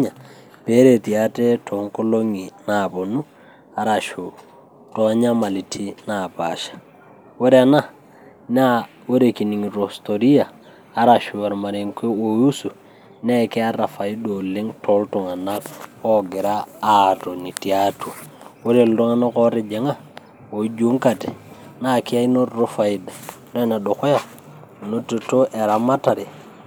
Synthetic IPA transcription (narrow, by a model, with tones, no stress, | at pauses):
ɲa˨ | pe˦ɾe˨ti˨a˦te˦tʰɔ˨˦ŋko˦lo˦ŋi˨na˨bo˨nu˦ | a˨ɾa˨ʃo˨ | tɔ˨˦ɲa˦ma˨li˨tʰi˦na˨pa̰˨ʃḁ˨ | wo˦ɾe˦a˨na˦ | na˦ | wo˦ɾe˨ki˨ni˨ŋ˨ɾo˨sto˨ɾi˦jaː˨˦ | ɾa˨ʃu˨wa˨ɾma˨ɾe˨mke˦wo˨ju˦su˨ | ne˦ki˦a˦ɾa˨fa˨i˦do˨li˦ŋto˨˦lto˨ŋa˨na˦ko˦ɡi˨ɾaː˦to˨ni˨ti˨atu˨wo˦ɾe˨ldo˦ŋa˦na˦ko˦ɾi˨d͡ʒe˨ŋa˦ | wo˨d͡ʒu˦ŋka˨te˨na˦ki˦a˦i˦no˦ɾo˦fa˨i˨da˨ | do˦na˨ɗo˨ko˦ja˦ | no˦tu˨to˦ʔe˨ɾa˨ma˦ta˨ɾi˨